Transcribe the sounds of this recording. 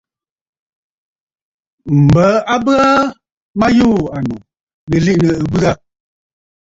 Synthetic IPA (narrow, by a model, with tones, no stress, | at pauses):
m̩˨bə˨˦a˦bɨ˦a˦ | ma˦juː˦˨a˨nu˨ | lə˨li˦ʔnə˨ə˨bɨ˦a˦